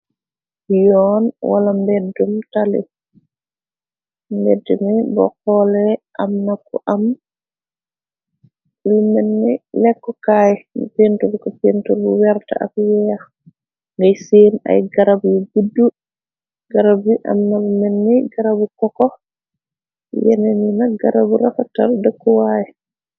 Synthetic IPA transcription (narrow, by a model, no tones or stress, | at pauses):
jɔːnwa̰lambɛdːumtalɛ̰ | mbɛdːɛmɛbɔ̰kɔlɛʔamnakːuʔam | bulumɛnːɛlɛkːɔkaːjɛmipentubikɔpentubuwɛɾta̰ʔa̰fwɛja | ŋɡajsena̰jɡaɾabujɡudːu | ɡaɾabiʔa̰mnalumɛnːɛɡaɾabukɔkɔ | jɛ̰nɛninaɡaɾabuɾafata̰ɾdɛkːɔwajɛ